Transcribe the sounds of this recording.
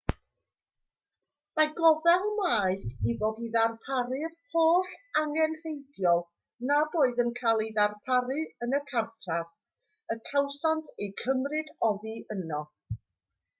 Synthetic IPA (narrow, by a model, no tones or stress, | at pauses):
maɡɔvɛlˠmaːɨθivoːdiðarpʰaɾɨrhʰoːɬaŋɛnrejdjɔlˠ | naboːɨðənkʰalˠiðarpʰaɾɨənəkʰartʰav | əkʰawsantʰejkʰəmrɨdɔðɨənɔ